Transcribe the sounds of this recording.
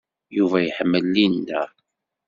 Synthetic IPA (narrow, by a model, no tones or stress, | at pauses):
juvæjəħəmːəlːinːæ